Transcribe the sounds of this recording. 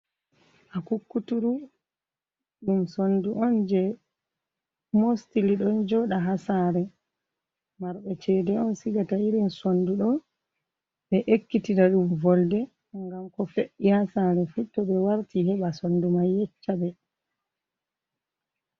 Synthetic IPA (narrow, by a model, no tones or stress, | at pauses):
ʔakukːutuɾu | ɗumsonduʔɔnd͡ʒɛ | mostiliɗɔnd͡ʒɔɗaɦasaɾɛ | maɾɓɛt͡ʃɛdɛɔnsiɡataiɾinsonduɗɔ | ɓɛʔekːitiɾaɗumvɔldɛ | ŋɡamkɔfeʔihasaɾɛfutːɔɓɛwaɾtihɛɓasondumajːɛt͡ʃːabɛ